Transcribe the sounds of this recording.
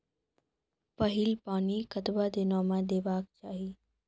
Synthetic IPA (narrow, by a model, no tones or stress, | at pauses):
pəɦɪlpaːnikət̪bad̪eːnaːmãd̪eːʋaːk̚t͡ʃaːɦi